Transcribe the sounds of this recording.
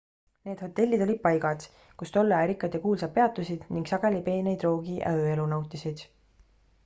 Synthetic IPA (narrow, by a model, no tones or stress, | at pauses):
ne̞ːd̪̥ho̞t̪ːˑe̞lʲːid̪̥o̞lʲid̪̥̚pɑjɡɑd̪̥ | kust̪o̞lːeæːɾikːˑɑd̪ekuːlsɑ̥pe̞ɑt̪ːˑusid̪̥niŋɡsɑɡ̥e̞lipe̞ːnejd̪ro̞ːɡ̥iʔæ̰øe̞lunɑwt̪ːˑisid̪̥